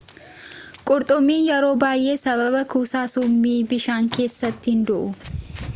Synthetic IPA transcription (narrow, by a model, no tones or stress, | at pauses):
kʼʊɾt̪ʼʊmːiːnjɛɾo̞ːbaːjʔe̞ːsɐβɐbɐkuːsaːsʊmːiːbɪʃaːŋke̞ːsːɐt̪ːɪhɪnd̪ʊʔʊ